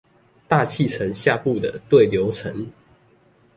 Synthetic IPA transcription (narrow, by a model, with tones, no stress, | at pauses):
t̪a˥˧t͡ɕʰi˥˨t͡sʰə˧˦ŋɕja˥˧pu˥˨d̪ə˨˩t̪we˥˨ɪljo˨˧˥ʊt͡sʰə˧˦ŋ